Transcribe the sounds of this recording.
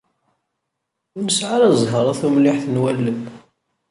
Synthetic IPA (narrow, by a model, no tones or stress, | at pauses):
məsʕaɾæzˤɦəɾˤæθumliħθnwælːəm